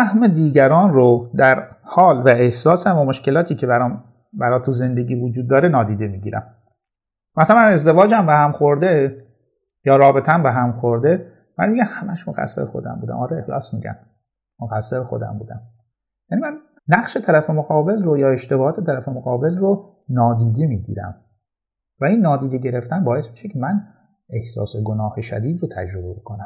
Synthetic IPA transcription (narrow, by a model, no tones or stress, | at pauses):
æhme̞d̪iːɟæɾɒːnrod̪æɾhɒːlvæehsɒːsæmvæmoʃce̞lɒːt̪ʰiːcʰebæɾːm | bæɾɒːt̪ʰuze̞nd̪e̞ɟiːvod͡ʒuːd̪̚ːɒːɾenɒːd̪iːd̪e̞miːɟiːɾæ̰m | mæsælæne̞zd̪e̞vɒːd͡ʒæmbehæmxoɾd̪e | jɒːɾɒːbet̪ʰæmbeɦæmxoɾd̪e | mæ̰nmiːɟæmhæmʔæʃmoɣæ̰sːeɾexo̰d̪æ̰mbuːd̪æ̰mɒːɾɑe̞hlɒ̰ːsmḭɟæ̰n | moɣæsːeɾexo̞̰d̪æ̰mbuːd̪æ̰m | jænimænː | æχʃe̞t̪ʰæɾæfe̞moɣɒːbe̞lrojɒːe̞ʃt̪e̞bɒːhɒːt̪ʰe̞t̪ʰæɾæfe̞moɣɒːbe̞lro | nɒːd̪iːd̪emiːɟḭːɾæ̰m | væinːɒːd̪iːd̪eɟe̞ɾe̞ft̪ænbɒːjesmiːʃecʰe̞mæn | e̞hsɒ̰ːseɡo̞nɒːhe̞ʃæ̰d̪iːd̪rot̪ʰæ̰d͡ʒɾo̞bebekʰonæm